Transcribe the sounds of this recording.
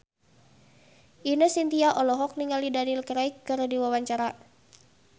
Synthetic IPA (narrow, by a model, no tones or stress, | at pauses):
ʔinəsint̪iaʔɔlɔɦɔk̚niŋalidanilkəɾaikːɨɾdiwawaɲt͡ʃaɾa